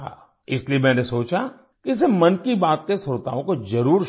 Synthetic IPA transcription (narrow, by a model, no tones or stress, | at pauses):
a̰ː | ɪsliemɛ̃ːnesoːt͡ʃa | kiɪs̬emɐnkibaːt̪kesʊɾt̪a̰ːõkozɐɾuːɾ